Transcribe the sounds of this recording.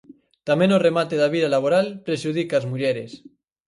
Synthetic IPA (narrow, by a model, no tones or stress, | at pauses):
t̪amẽnoremat̪eðaβiðalaβ̞oɾalpɾeʒuð̞ikaːzmuʎeɾes